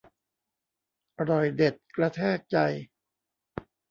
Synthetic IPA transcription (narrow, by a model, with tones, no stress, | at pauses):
ɾɔ˨˩jde˨˩t̪̚kɾa˧t̪ʰɛː˥˩k̚t͡ɕa˧j